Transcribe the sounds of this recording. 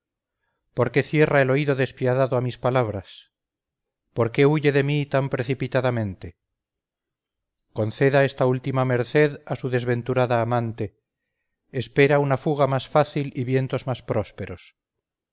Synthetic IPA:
po̞ɾke̞θje̞rae̞lo̞iðo̞ðe̞spjaðaðoamispalaβɾas | po̞ɾke̞uʝe̞ðe̞mit̪ampɾe̞θipit̪aðamẽ̞nt̪e̞ | ko̞n̟θe̞ðae̞st̪ault̪imame̞ɾθe̞ðasuðe̞zβe̞nt̪uɾaðaːmãnt̪e̞ː | spe̞ɾaunafuɣamasfaθiliβje̞nt̪o̞zmaspɾo̞spe̞ɾo̞s

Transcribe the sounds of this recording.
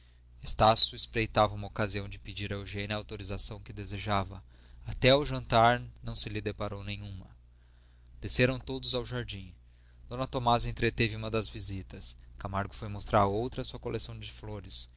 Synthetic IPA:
est̪asjʊespɾejt̪avɐũmɐokaziɐ̃w̃d͡ʒɪpid͡ʒiɾɐewʒẽnɪɐːwt̪oɾizasɐ̃w̃kɪd̪ezeʒavɐ | at̪ɛawʒɐ̃nt̪aɾnɐ̃w̃sɪlɪd̪epaɾownẽjɲ̃ũmɐ | d̪̥eseɾɐ̃w̃t̪od̪ʊzawʒaɾd͡ʒĩ | d̪̥õnɐt̪omazẽnt̪ɾet̪evɪũmɐd̪ɐzvizit̪ɐskamaɾɡʊfojmost̪ɾaɾowt̪ɾɐsuɐkolʔesɐ̃w̃d͡ʒɪfloɾɪs

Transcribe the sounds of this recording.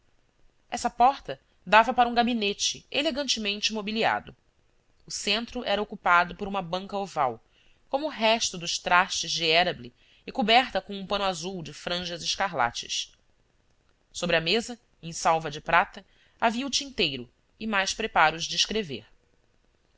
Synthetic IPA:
ɛsɐpɔɾt̪ɐ | d̪avɐpaɾɐũɡabinet͡ʃɪeleɡɐ̃nt͡ʃɪmẽnt͡ʃɪmobilia̰d̪ʊ | ʊsẽnt̪ɾʊʔɛɾɐokupad̪ʊpʊɾũmɐbɐ̃ŋkɐovaw | kõmʊːɦɛʃt̪ʊd̪ʊʃt̪ɾaʃt͡ʃɪzd͡ʒɪɛɾɐbli | ɪkubɛɾt̪ɐkõũpɐ̃nʊazuwd͡ʒɪfɾɐ̃ʒɐzɪʃkaɦla̰t͡ʃɪ̰s | sobɾɪɐmezɐ | ẽj̃sawvɐd͡ʒɪpɾat̪ɐ | aviɐʊt͡ʃĩnt̪ejɾʊ | ɪmajʃpɾepaɾʊzd͡ʒɪiʃkɾevḛɾ

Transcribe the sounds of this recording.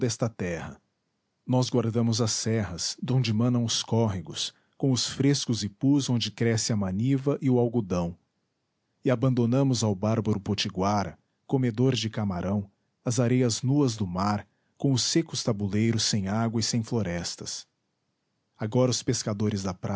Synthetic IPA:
d̪ɛst̪ɐt̪ɛhɐ̰ | nɔzɡwaɾd̪ɐ̃mʊzɐsɛɦɐzd̪õnd͡ʒɪmɐ̃nɐ̃w̃ʊskɔɦiɡʊs | kõw̃ʊsfɾeskʊzɪpuzõnd͡ʒɪkɾɛsɪɐmɐ̃nivɐʔɪʊawɡud̪ɐ̃w̃ | ɪabɐ̃nd̪onɐ̃mʊzawbaɾbɐɾʊpot͡ʃiɡwaɾɐ | komed̪oɾd͡ʒɪkamaɾʔɐ̃w̃ | ɐzaɾejɐznuɐzd̪ʊmaɾ | kõw̃ʊsekʊst̪abulejɾʊsːẽj̃aɡwɐɪsẽj̃floɾɛst̪ɐs | aɡɔɾɐʊspeskad̪oɾɪzd̪ɐpɾa

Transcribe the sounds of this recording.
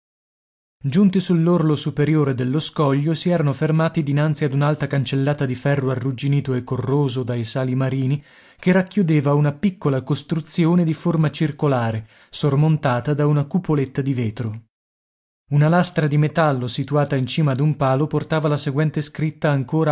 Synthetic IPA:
d͡ʒunt̪isulːorlosupeɾjoːɾed̪elːoskɔʎːosiɛːɾanofermaːt̪id̪inant̪siad̪unalt̪akant͡ʃelːaːt̪ad̪ifɛrːoarːud͡ʒiniːt̪oekːorːoːzod̪ajsaːlimaɾiːni | kerːakːjud̪eːvaunapikːolakost̪ɾut̪sːjoːned̪iformat͡ʃirkolaːɾe | sormont̪aːt̪ad̪aunakupolet̪ːad̪iveːt̪ɾo | unalast̪ɾad̪imet̪alːosit̪uaːt̪aint͡ʃiːmad̪umpaːloport̪aːvalaseɡwɛnt̪eskɾit̪ːaːŋkoːɾa

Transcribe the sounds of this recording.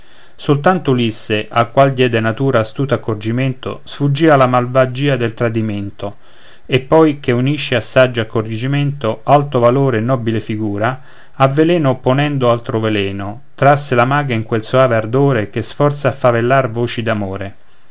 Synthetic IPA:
solt̪ant̪olisːeʔalkːwald̪jɛːd̪enat̪uːɾaːst̪uːt̪oakːord͡ʒimɛnt̪o̰sfud͡ʒiːalamalvad͡ʒiːad̪elt̪ɾad̪iment̪o | epːɔjkeuniʃːeasːad͡ʒːoakːorid͡ʒimɛnt̪oalt̪ovaloːɾeːnːɔbilefiɡuːɾa | avːelɛːnoːpːonɛnd̪oalt̪ɾovelɛːno | t̪ɾasːelamaːɡaiŋkwelsoaːveard̪oːɾek̟esfɔrt̪saːfːavelːarvoːt͡ʃid̪amoːɾe

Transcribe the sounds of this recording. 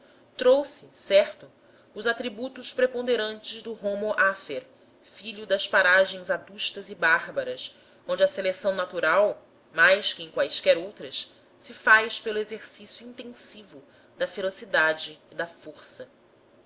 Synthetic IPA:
t̪ɾowsɪsɛɾt̪ʊ | ʊzat̪ɾibut̪ʊʃpɾepõnd̪eɾɐ̃nt͡ʃɪzd̪ʊɦomoʔafeɾ | fiʎʊd̪ɐspaɾaʒẽj̃zad̪uʃt̪ɐzɪbaɾbɐɾɐs | õnd͡ʒɐselesɐ̃w̃nat̪uɾaw | majskɪẽkwajʃkɛɾowt̪ɾɐs | sɪfajspelʊezeɾsisjuĩnt̪ẽsivʊ | d̪ɐfeɾosid̪ad͡ʒɪːd̪ɐfoɾsɐ

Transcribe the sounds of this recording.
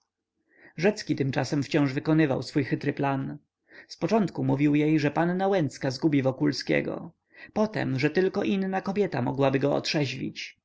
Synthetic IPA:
ʐɛt̪skʲit̪ɘmt͡ʂasɛmft͡ɕɔ̃w̃ʐvɘkɔnɘva̰wsfujxɘt̪ɾɘplan | spɔt͡ʂɔnt̪kumuvʲiwjejʐɛpanːawɛnt̪skazɡubʲivɔkulskʲɛ̰ɡɔ̰ | pɔt̪ɛ̰mʐɛt̪ɘlkɔʔinnakɔbʲjɛt̪amɔɡwabɘɡɔɔ̰t̪ʂɛʑlʲḭt͡ɕ

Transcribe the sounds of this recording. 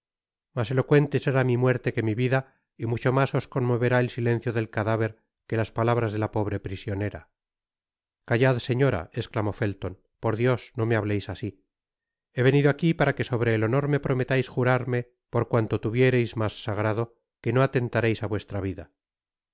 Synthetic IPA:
mase̞lo̞kwe̞nt̪eseɾamimwe̞ɾt̪e̞ke̞miβiða | imut͡ʃo̞maso̞sko̞nmo̞βe̞ɾae̞lsilẽ̞nθjo̞ðe̞lkaðaβe̞ɾ | ke̞laspalaβɾazðe̞lapo̞β̞ɾe̞pɾisjo̞ne̞ɾa̰ | kaʝaðse̞ɲo̞ɾa̰e̞sklamo̞fe̞lt̪on | po̞ɾðjo̞sno̞me̞aβle̞jsasi | e̞βe̞niðoakipaɾake̞so̞β̞ɾe̞ːlo̞no̞ɾme̞pɾo̞me̞t̪ajsxuɾaɾme̞ | po̞ɾkwant̪o̞t̪uβje̞ɾe̞jzmasːaɣɾaðo̞ | ke̞noat̪e̞nt̪aɾe̞jsaβwe̞st̪ɾaβ̞iða̰

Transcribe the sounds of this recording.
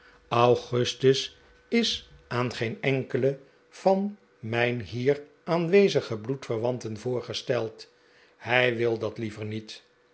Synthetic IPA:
ɑwχɵstəs | ɪs | aːnχejnɛŋkələ | v̥ɑn | mɛjnɦiːr | aːnʋejzəχəblutfəʁʋɑntənvʊːɹχəstɛlˠt | hɛjʋɪlˠdɑtlivəɹnit

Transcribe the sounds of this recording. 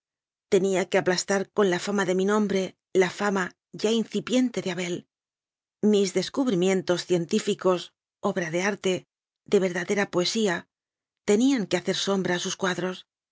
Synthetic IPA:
t̪e̞niake̞aplast̪aɾko̞nlafamaðe̞minõ̞mbɾe̞ | lafama | ʝainθipje̞nt̪e̞ðeaβe̞l | mizðe̞skuβɾimjẽ̞nt̪o̞sθje̞nt̪ifiko̞s | o̞βɾaðe̞aɾt̪e̞ | ðe̞βe̞ɾðaðe̞ɾapoe̞sia | t̪e̞niaŋke̞aθe̞ɾso̞mbɾaːsuskwaðɾo̞s

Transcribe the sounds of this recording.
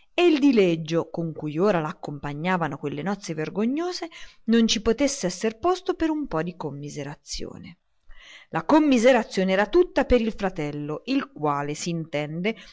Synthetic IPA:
eild̪iled͡ʒːokoŋkujoːɾalaːkːompaɲːaːvanokwelːenɔt̪sːeverɡoɲːoːze | nont͡ʃipot̪esːeɛsːerpost̪opeɾumpɔd̪ikomːizeɾat̪sːjo̰ːne | lakomːizeɾat̪sːjoːneɛːɾat̪ut̪ːapeɾilfɾat̪ɛlːoʔilkwaːlesiːnt̪ɛnd̪e

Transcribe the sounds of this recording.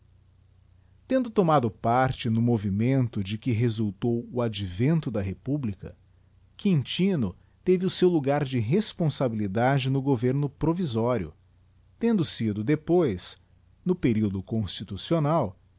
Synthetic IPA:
t̪ẽnd̪ʊt̪omad̪ʊpaɾt͡ʃɪnʊmovimẽnt̪ʊd͡ʒɪkɪɦezuwt̪owʊad͡ʒivẽnt̪ʊd̪ɐɦepublikɐ̰ | kĩnt͡ʃĩnʊ | t̪evɪʊsewluɡaɾd͡ʒɪɦespõsabilid̪ad͡ʒɪnʊɡoveɾnʊpɾovizɔɾjʊ̰ | t̪ẽnd̪ʊsid̪ʊd̪epojs | nʊpeɾiwd̪ʊkõst͡ʃit̪usionaw

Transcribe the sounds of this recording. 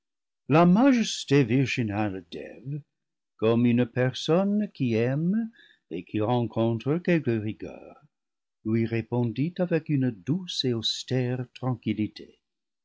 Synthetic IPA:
lamaʒɛsteviʁʒinaldɛ̰v | kɔmynpɛʁsɔnkiɛm | ekʰiʁɑ̃kʰɔ̃t̪ʁəkɛlkəʁiɡœ̰ːʁ | lwɥiʁepɔ̃ditavɛkynduseostɛʁtʁɑ̃kilitʰe

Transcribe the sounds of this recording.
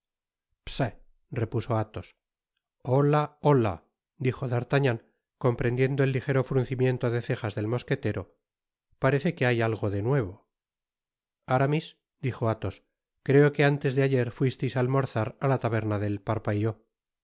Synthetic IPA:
psa | re̞puso̞at̪o̞s | olaola̰ | d̪ixo̞ðaɾt̪aɲaŋ | ko̞mpɾend̪je̞nd̪oe̞lːixe̞ɾo̞fɾunθimje̞nt̪oðe̞θe̞χazðe̞lmo̞ske̞t̪e̞ɾo̞ | paɾe̞θe̞ke̞ajalɣo̞ðe̞nwe̞β̞o̞ | aɾamis | d̪̥ixo̞at̪o̞s | kɾe̞oke̞ant̪e̞zðeaʝe̞ɾfwist̪ejsalmo̞ɾθaɾalat̪aβ̞e̞ɾnaðe̞lpaɾpaiʝo

